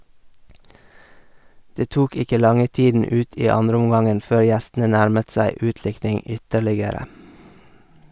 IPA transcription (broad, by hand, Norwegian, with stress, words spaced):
ˈdeː ˈtuːk ˈɪkə ˈlɑŋə ˈtiːdn̩ ˈʉːt ˈiː ˈɑndɾəʊmˌɡɑŋən ˈføːɾ ˈjæstn̩ə ˈnæɾmət ˈsæɪ ˈʉːtˌlɪknɪŋ ˈʏtəɾlɪɡəɾə